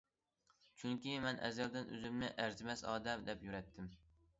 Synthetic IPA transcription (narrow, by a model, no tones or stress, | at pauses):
t͡ʃʰyŋkʲimɛnʔɛ̰zjɑlˠd̪ɪnʔø̰zɪmnɪʔæɾzɪmɛsɑ̰ːd̪ɛmd̪ɛpjyɾɛt̪ʰːɪm